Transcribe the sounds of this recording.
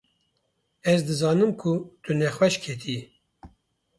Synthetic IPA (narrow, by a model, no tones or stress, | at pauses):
ɛzd̪ɨzɑːnɨmkʰut̪unɛxwɛʃkʰet̪ʰi